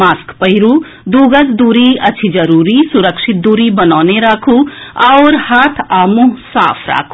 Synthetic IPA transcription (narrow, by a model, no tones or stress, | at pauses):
maːskpɐɦɪɾu | d̪uːɡəsd̪uːɾiɐtːt͡ʃʰid͡ʒɐɾuːɾisʊɾəkʃɪt̪̚d̪uːɾibɐnaːneɾaːkʰuɐʊːɾhaːt̪ʰaːmuɦsa̰ːpʰɾa̰ːkʰu